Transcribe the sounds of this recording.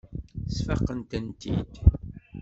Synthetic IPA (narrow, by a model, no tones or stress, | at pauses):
sfəqːənt̪ənt̪id̪